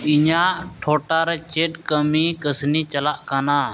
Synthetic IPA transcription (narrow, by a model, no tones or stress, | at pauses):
ɪɲaːʈʰoːʈaːɾet͡ʃeːʈkəmiːkəsniːt͡ʃəlaʔkanaː